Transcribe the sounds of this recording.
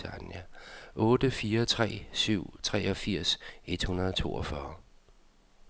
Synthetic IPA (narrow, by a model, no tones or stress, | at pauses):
ænæʔɔ̽ːd̥əfiːɐt͡sʰʁɛ̰ːsyʊ̰t͡sʰʁɛːɒ̽fiɐ̰se̝d̥hunɐðˠɒt͡sʰo̝̰ːɒfɶːɐ